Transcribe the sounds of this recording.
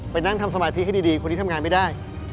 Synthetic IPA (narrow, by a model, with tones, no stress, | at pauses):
pa˧jna˥˩ŋt̪ʰa˧msa˧maː˧t̪ʰi˦˥ɦa˥˩jdiː˧diː˧ko˧nʰːi˦˥a˧ŋaː˧nma˥˩daː˥˩j